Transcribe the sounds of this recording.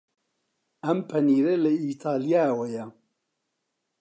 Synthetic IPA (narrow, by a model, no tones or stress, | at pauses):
ɐmpʰɐniːɾelɛiːt̪ʰaːlijaːwɛjɛ